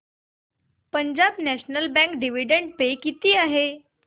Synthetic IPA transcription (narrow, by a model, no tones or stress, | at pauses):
pəɲd͡ʑabnæɕnəlbɛ̃ŋkɖiʋiɖeɳɖ̚pekit̪iːaɦe